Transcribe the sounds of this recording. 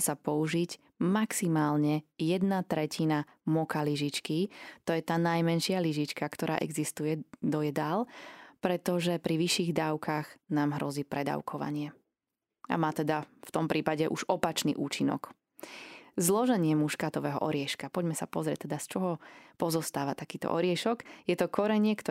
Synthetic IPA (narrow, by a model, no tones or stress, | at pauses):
sapɔuʒic | maksimaːlɲɛjɛd̪nat̪ɾɛcʰina | mɔkaliʒit͡ʃkit̪ɔjɛt̪aːnajmɛnʃɪaliʒit͡ʃkakt̪ɔɾa̰ːʔɛ̰ɡzist̪ujɛd̪ɔjɛd̪alpɾɛt̪ɔʒɛpɾiʋiʃiːɣd̪aːʊkʰaɣnaːmɦɾɔziːpɾɛd̪a̰ʊkʰɔʋa̰ɲɪɛ | ʔa̰maːt̪ɛd̪aft̪ɔmpɾiːpaɟɛʔuʒɔpat͡ʃnḭːʔuːt͡ʃinɔ̰k | zlɔʒɛɲɪɛmuʃkaːt̪ɔʋɛːɦɔ̰ʔɔɾɪɛʃkapɔɟmɛsapɔzɾɪɛ̰c̚t̪ːɛd̪ast͡ʃɔɦɔpɔzɔst̪aːʋat̪akiːt̪ɔ̰ʔɔɾɪɛʃɔɡjɛt̪ɔkʰɔɾɛɲɪɛkt̪